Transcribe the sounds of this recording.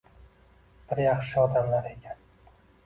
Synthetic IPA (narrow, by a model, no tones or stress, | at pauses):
b̥ɪɾjɑχʃɪɒd̪amlaɾe̞kʲʰan